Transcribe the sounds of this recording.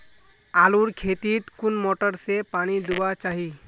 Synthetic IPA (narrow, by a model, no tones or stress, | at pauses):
aːluɾkʰet̪it̪kunmɔʈəɾsepaɽ̃id̪uʋat͡ʃaːɦi